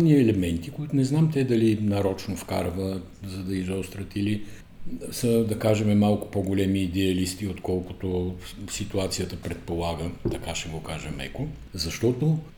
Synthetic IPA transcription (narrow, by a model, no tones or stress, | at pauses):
niɛlɛmɛnt̪ikoit̪ʊnɛznamt̪ɛd̪ɐlinɐɾɔt͡ʃnofka̰ɾvə | zɐd̪ɐizɔst̪ɾət̪ili | səd̪ɐkaʒɛmɛmalˠkʊ̥poɡolɛmiːd̪ɛɐlist̪iot̪kɔlˠkʊ̥t̪osit̪uat̪sijət̪əpɾɛt̪̚polˠaɡət̪ɐkaʃɛɡokaʒɛmɛ̰ko | zɐʃt̪ɔt̪o